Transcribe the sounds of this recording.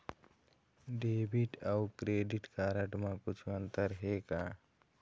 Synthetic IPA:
ɖeːbʱiʈawkɾeːɖiʈkaːɾəʈmãkʊt͡ʃʰənt̪əɾɦeka

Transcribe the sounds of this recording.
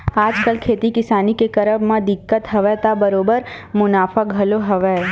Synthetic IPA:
aːd͡ʒkəlkʰeːt̪ikɪsaːnikekɐɾəbmãd̪ɪkːət̪ɦɐʋɛt̪abəɾoːbəɾmʊnaːfaɡʱɐloɦɐʋɛ

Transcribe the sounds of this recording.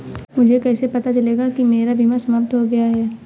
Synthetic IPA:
mʊd͡ʒʱekɛːsepɐt̪at͡ʃɐleːɡakimeːɾabʱimasɐməːp̚t̪ɦoɡɐjaɦɛː

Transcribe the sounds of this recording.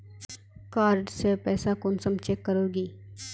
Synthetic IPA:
kaːɾɖsepɛːsakʊnsəmt͡ʃekːəɾoːɡiː

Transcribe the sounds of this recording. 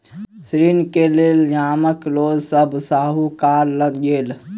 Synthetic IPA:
sɾinkeleld͡ʒaːməklod͡ʒsəbʱsaɦukaɾləɡɡel

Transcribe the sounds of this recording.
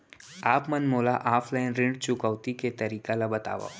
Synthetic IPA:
aːpmɐnmoːlaʔaːfʰlaːɪnɾɪ̃ɳɖt͡ʃʊkəʋt̪iket̪ɐɾiːkalabət̪a̰ːʋa̰

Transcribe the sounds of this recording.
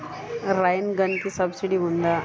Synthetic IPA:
ɾajnɡɐnkisɐbsiɖiund̪a

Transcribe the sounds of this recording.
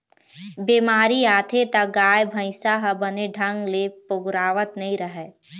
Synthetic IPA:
biːmaːɾiaːt̪ʰet̪aɡaːjbʱə̃ɪsaɦbəneɖʱɐ̃ŋɡlepʊɡɾaːʋət̪nɐɦĩɾəɦɛ

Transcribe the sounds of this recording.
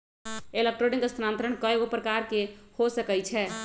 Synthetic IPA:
elek̚ʈɾoɖĩŋɡəst̪ʰɾãnt̪ɾəɳ̃kəeɡopɾəkaɾkehosəkɛjt͡ʃʰɛ

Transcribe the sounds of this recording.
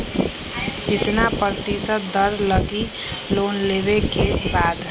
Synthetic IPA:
d͡ʒɪt̪napɾət̪isət̪̚d̪əɾləɡi | loːnleːbekebaːd̪

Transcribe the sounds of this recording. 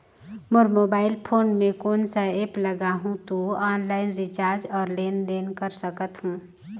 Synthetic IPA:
mʊɾmoːbaːɪlpʰoːnmẽkoːnsəeːpləɡaɦũt̪oaːnlaːɪnɾit͡ʃaːɾd͡ʒɔːɾleːnd̪eːnkəɾsəkət̪hũː

